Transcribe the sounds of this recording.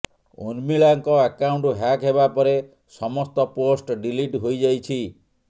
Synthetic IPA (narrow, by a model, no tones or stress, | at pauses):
ṵnmiɭaŋkɔakawɳʈuɦakɦeβapɔɾe | sɔmɔst̪ɔposʈɖiliʈɦojd͡ʒajt͡ʃʰi